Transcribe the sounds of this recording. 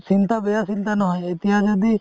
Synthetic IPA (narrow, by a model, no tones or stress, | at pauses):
sint̪abɛjasint̪anɔɦɔjet̪iɦad͡ʒɔd̪i